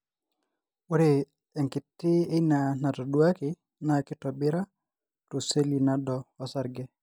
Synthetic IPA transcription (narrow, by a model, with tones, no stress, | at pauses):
ʊ˦ɾe˨ | ɛ˨ŋkɪ˨tːɪ˦e˦i˦na˨na˨tɔ˨dwa˦kɪ˨ | na˨kɪ˦tɔ˨bɪ˦ɾa˦ | to˨se˦li˨na˨dɔː˨˦sa˨ɾɡɛ˦